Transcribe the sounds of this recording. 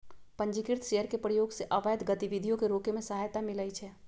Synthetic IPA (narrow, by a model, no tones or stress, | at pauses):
pə̃ɲd͡ʒikɪɾt̪ʰʃejəɾkepɾəjoːɡseʔəʋəjd̪ɡət̪iʋid̪ʱijõkeɾoːkemẽsəɦajt̪amɪləit͡ʃʰɛː